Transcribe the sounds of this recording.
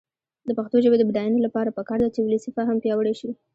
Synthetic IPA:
d̪əpaxt̪oʒəbed̪əbd̪ɑjanolapɑɾapəkɑɾd̪at͡ʃewuləsifaɦampjɑwəɽeʃi

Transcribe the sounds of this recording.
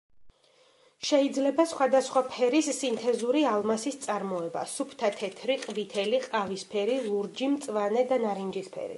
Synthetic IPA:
ʃɛid̪zlɛbasχwad̪asχwapʰɛɾisːint̪ʰɛzuɾialˠmasist̪sʼaɾmɔɛba̰supʰt̪ʰat̪ʰɛt̪ʰɾiqʼvit̪ʰɛliqʼavispʰɛɾilˠuɾd͡ʒimt̪sʼvanɛd̪anaɾind͡ʒispʰɛ̰ɾḭ

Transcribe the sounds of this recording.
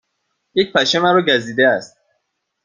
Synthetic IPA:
jec̚pʰæʃemæɾoɟæziːd̪eæst̪̚

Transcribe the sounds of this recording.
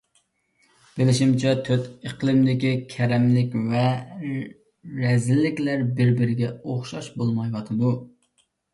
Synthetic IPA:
b̥ɪlɪʃimt͡ʃʰɛt̪ʰøt̪əqlˠɨmd̪ɪkʲikʲʰɛɾɛmlɪkʲvɛ | ɾɛzɪlːɪkʲlæɾbɪɾbɪɾɪɡʲɛoχʃɑʃbolˠmɑjwɑt̪ʰɨd̪u

